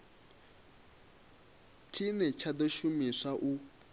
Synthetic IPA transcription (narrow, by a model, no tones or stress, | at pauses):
tʰinɛt͡ʃʰadɔʃumisaʔu